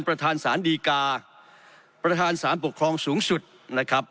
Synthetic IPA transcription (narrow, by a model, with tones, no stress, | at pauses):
npɾa˧t̪ʰaː˧nsaː˩˦ndiː˧kaː˧ | pɾa˧t̪ʰaː˧nsaː˩˦npu˨˩kʰɾɔː˧ŋsuː˩˦˥ŋsu˨˩t̪̚na˦˥kʰɾa˦˥p̚